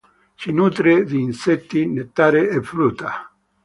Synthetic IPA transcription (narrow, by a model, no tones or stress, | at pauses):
t͡ʃinut̪ɾeðiːnset̪ːinet̪ːaɾeefɾut̪a